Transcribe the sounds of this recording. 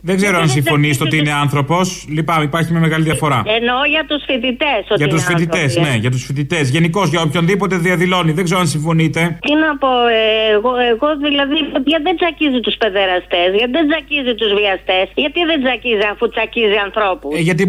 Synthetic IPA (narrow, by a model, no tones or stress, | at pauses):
ðe̞ɡze̞ɾoɐns̬iɱfo̞nist̪eoiineɐnθɾo̞po̞slipɐmipɐɾçimɲɐme̞ɣɐliðiɐfo̞ɾɐ̰enoʝɐt̪usfit̪it̪esoʝɐt̪usfit̪ie̞sne̞ʝɐt̪̬usfit̪it̪e̞zʝe̞niko̞zʝɐopço̞nðipo̞t̪e̞ðiɐðilo̞niðeɡzeɾoɐnsiɱfo̞nit̪e̞t̪inɐpo̞eɣoeɣo̞ðilɐðiʝɐðend͡zɐcizit̪uspe̞ðeɾɐst̪e̞sʝɐt̪iðend͡zɐcizit̪uzviɐst̪e̞sʝɐt̪iðend͡zɐciziɐfut͡sɐciziɐnθɾo̞pusʝɐt̪̬i